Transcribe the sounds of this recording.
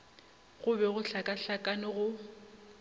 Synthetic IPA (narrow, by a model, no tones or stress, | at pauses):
ɣʊbɛɣʊɬakʼaɬakʼanɪɣʊ